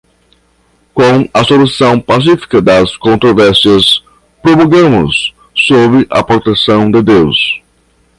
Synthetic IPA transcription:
kõw̃ɐsolusɐ̃w̃pasifi̥kɐd̪ɐskõnt̪ɾovɛɾsiɐs | pɾomuɡɐ̃mʊ̰sː | obɾɪʔɐ̰pɾot̪esɐ̃w̃d̪ɪd̪ews

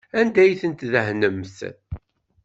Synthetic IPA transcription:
ænd̪æjθənt̪ðæɦnəmθ

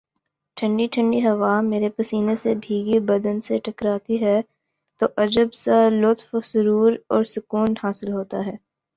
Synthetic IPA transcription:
ʈʰə̃ɳɖiʈʰə̃ɳɖiɦɐʋaːmeːɾepɐsiːnesebʱiːɡibɐd̪ənseʈʰɐkɾaːt̪iɦɛː | t̪oʔɐd͡ʒəbsalʊt̪fsʊɾuːɾɔːɾsʊkuːnhaːsɪlɦoːt̪aɦɛː

